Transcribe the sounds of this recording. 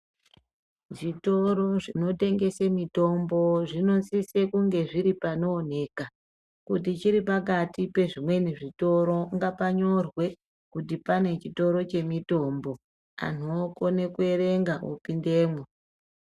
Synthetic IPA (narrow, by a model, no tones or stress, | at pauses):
ʐito̞ɾo̞ʐino̞te̞ŋɡe̞semito̞mbo̞ʐino̞sisekuŋɡe̞ʐiɾipano̞ːn̤e̞ːka | kutit͡ʃiɾipak̬atipe̞ʐimwe̞niʐito̞ɾo̞ŋɡapaɲo̞rwe̞ | kutipane̞t͡ʃito̞ɾo̞t͡ʃe̞mito̞mbo̞ | a̰n̤uokone̞kue̞ɾe̞ŋɡaʔṵpinde̞ːmwe